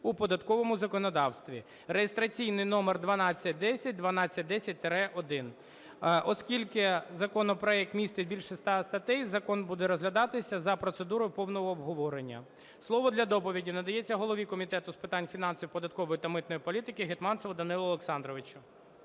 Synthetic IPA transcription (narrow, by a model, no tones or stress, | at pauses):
upɔd̪ɐt̪kɔʋɔmʊzɐkɔnɔd̪ɑwst̪ʋʲi | rejest̪ɾɐt͡sʲijnɪjnɔmerd̪ʋɐnɑt͡sʲːɐt̚ʲd̪ɛsʲɐt̚ʲd̪ʋɐnɑt͡sʲːɐt̚ʲd̪ɛsʲɐt̚ʲt̪ːeɾɛʔɔd̪ɪn | ʔɔskʲilʲkɪzɐkɔnɔpɾɔɛk̚t̪mʲist̪ɪtʲbʲilʲʃɪst̪ɑst̪ɐt̪ɛjzɐkɔnbud̪ɛɾɔzɦlʲɐd̪ɑt̪ɪsʲɐzɐpɾɔt̪sed̪uɾɔjʊpɔwnɔʋɔːbɦɔʋɔɾenʲːɐ̰ | slˠɔʋɔd̪lʲɐd̪ɔpɔʋʲidʲinɐd̪ɐjɛt͡sʲːɐɦɔlˠɔʋʲikɔmʲit̪ɛt̪ʊspɪt̪ɑnʲfʲinɑnsʲiwpɔd̪ɐt̪kɔʋɔjʊt̪ɐmɪt̪nɔjipɔlʲit̪ɪkɪɦet̪mɑnsɔʋɔd̪ɐnɪlˠɔːlˠeksɑnd̪ɾɔʋɪt͡ʃʊ